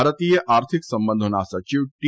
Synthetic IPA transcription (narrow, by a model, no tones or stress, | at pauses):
ɾət̪ijeʔaɾt̪ʰiksəmbə̃nd̪ʱonasət͡ʃiʋʈ